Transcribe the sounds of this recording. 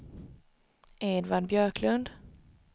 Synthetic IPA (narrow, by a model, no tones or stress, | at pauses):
eːd̪vaɖ̪bjœːɾkʰlɵnd̪